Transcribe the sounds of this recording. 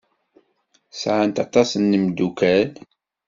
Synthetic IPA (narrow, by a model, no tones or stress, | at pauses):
sʕənt̪ɑt̪ˤɑsənːəmd̪ukæl